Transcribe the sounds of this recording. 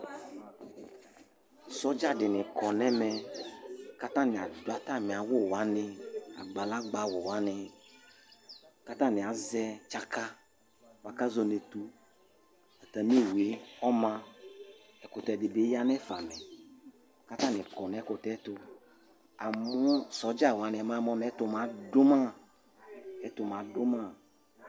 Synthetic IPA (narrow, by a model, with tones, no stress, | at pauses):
sɔ˦d͡ʒa˦dɪ˨nɪ̃˨kɔ˨nɛ˦mɛ˨ | ka˦t̪ã˦nɪ̃˨a˨dwa˦t̪a˦˨mɪ̃˨a˨wʊ˦˨wa˨˦nɪ̃˦a̰˨ɡ͡ba˨la˦ɡ͡ba˦wɔ˨wa˦nɪ˨ | ka˦t̪ã˦nɪ̃˨a˨zɛ˦t͡ʃa˦ka˦ | wa˨ka˦zɔ˨ne˨tu˦ | a˨t̪a˨m˦e˦˨wu˨e˨˦ɔ˦mã˦ | ɛ˨kʊ˨t̪ɛ˨dɪ˨be˦ja˦n˦ɛ˦fa˨mɛ˨ | ka˦t̪ã˦˨nɪ̃˨kɔ˨n˨ɛ˨˦kʊ˨t̪ɛ˦t̪ʊ˨ | a˨mʊ˦sɔ˨˦d͡ʒa˦˨wa˨˦nɪ̃˨ɛ˨mã˦˨˦mɔ˦n˦ɛ˦tʊ˨mã˨dʊ˦ma˦ | ɛ˦tʊ˨m˨a˨dʊ˦ma˦